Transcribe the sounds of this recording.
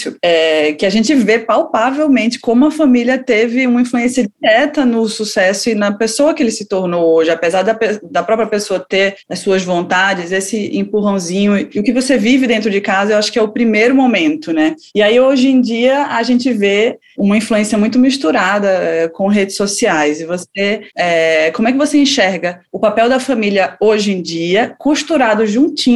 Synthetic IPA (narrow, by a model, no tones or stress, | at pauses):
sʊɛkɪaʒẽt͡ʃɪvepawpavewmẽnt͡ʃɪ̥kõmʊɐfamiliɐt̪evɪũmɐĩfluẽsiɐd͡ʒiɾɛt̪ɐnʊsusɛsʊɪnɐpesoɐkɪelɪsɪt̪oɾnowoʒɪapezaɾd̪ɐped̪ɐpɾɔpɾijɐpesoɐt̪eɾɐsːuɐzvõnt̪ad͡ʒɪzesɪḛ̃puɦɐ̃w̃zĩɲʊɪʊkɪvosevivɪd̪ẽnt̪ɾʊd͡ʒɪkazɐewaʃʊ̥kɪɛʊpɾimejɾʊmomẽnt̪ʊnɛ | ɪaioʒẽd͡ʒiɐɐʒẽnt͡ʃɪve | ũmɐĩfluẽsiɐmũj̃t̪̬ʊmiʃt̪uɾad̪ɐɛkõɦed͡ʒɪsosiajzɪvoseɛkõmʊɛkɪvoseĩʃɛɾɡɐ | ʊpapɛwd̪ɐfamiliɐoʒẽd͡ʒiɐkuʃt̪uɾad̪ʊʒũt͡ʃĩ